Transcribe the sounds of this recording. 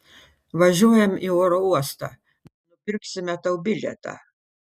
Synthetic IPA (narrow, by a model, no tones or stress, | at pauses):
ʋɐʒʲuɔjɛmioɾɔuɔst̪ɐ̰ | nnʊpʲɪɾʲksʲɪmʲɛt̪ɐʊbʲɪlʲɛ̰t̪ɐ̰